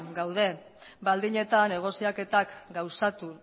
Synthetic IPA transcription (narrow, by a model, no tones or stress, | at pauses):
ɡawðe̞ | bald̪iɲe̞t̪ane̞ɣ̞o̞siake̞t̪akɡawsat̪u